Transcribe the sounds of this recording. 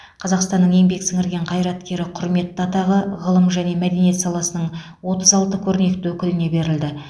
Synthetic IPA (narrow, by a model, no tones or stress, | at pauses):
qʰɑzɑqst̪ɑnːəɴje̞ŋbe̞ksɪŋɪɾɡʲe̞ɴqʰɑjɾɑt̪kʲe̞ɾɪqʰʊɾme̞t̪ːɑt̪ɑʁəʁəlˠəmʒæne̞mæd̪e̞nije̞t̪sɑlˠɑsənəɴ | wo̞t̪əzɑlˠt̪əkʲʰɵɾne̞k̚t̪ɪwɵkʲɪlɪne̞be̞ɾɪld̪ɪ